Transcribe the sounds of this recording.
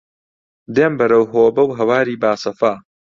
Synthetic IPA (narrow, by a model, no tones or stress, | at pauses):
d̪eːmbɐɾɐwɦoːbɐwɦɐwaːɾiːbaːsɐfaː